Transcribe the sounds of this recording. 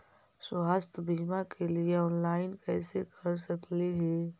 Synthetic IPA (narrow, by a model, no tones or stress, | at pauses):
swaːst̪ʰəbʱiːmakelieɔːnlaːɪnkɛːsekʰəɾsəkliɦɛ